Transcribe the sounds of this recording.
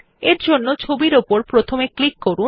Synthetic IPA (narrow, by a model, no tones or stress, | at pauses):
eɾd͡ʑonːot͡ɕʰobiɾopoɾpɾot̪ʰomeklikːoɾu